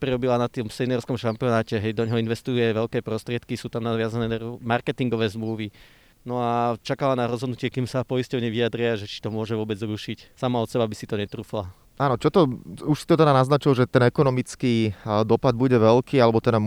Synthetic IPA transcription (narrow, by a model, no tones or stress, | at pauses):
pɾiɾɔbilanat̪ɔmsɛnɛɾskɔmʃampiɔnaːcɛɦɛjd̪ɔɲɦɔinʋɛst̪ujɛʋɛʎkɛːpɾɔst̪ɾɪɛt̪kisuːt̪amnaʋɪazanɛmaɾkɛt̪iŋɡɔʋɛːzmluʋi | nɔat͡ʃakalanaɾɔzɦɔd̪nucɪɛkiːmsapɔjiscɔʊɲɛʋiad̪ɾɪaʒɛt͡ʃi̥t̪ɔmʊɔʒɛʋʊɔbɛd͡zɾuʃicsamaɔt̪sɛbabisit̪ɔɲɛt̪ɾuːfla | aːnɔt͡ʃɔt̪ɔuʃsit̪ɔt̪ɛd̪anaznat͡ʃilʒɛt̪ɛnɛkɔnɔmit͡skiːd̪ɔpad̪̚buɟɛʋɛlkiːalɛbɔt̪ɛd̪a